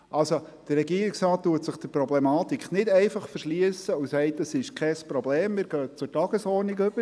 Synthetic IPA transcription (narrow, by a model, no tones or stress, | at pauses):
ʔɑlso | d̥ərːɛɡiəɾiksɾɑːt̚tːuətsəχd̥əpɾɔblɛmɑːt̪ikχnɪdɛɪfɑχfəɾʃliəsəusɛɪtəsɪʃkʰɛspɾobleːmːɪːɾɡ̥œːt͡sʊtɑɡ̥əsɔːɾniɡøb̥ə